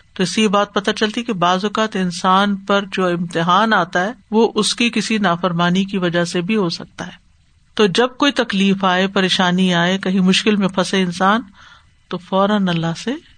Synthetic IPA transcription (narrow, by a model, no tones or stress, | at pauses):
t̪oɪsiebaːt̪̚pɐt̪at͡ʃɐlt̪iɦɛkebaːzʊkaːt̪ɪnsaːnpɐɾd͡ʒoːɪ̃mt̪ɪɦaːnaːt̪aɦɛːʋoʔʊskikɪsinaːfɐɾmaːnik̬iʋɐd͡ʒasebʱiɦosɐk̚t̪aɦɛː | t̪oːd͡ʒɐb̚koːit̪ɐkliːfaːepɐɾeːʃaːniaːekɐɦĩmʊʃkɪlmẽpʰɐseɪnsaːn | t̪ofɔːɾənɐlːaɦse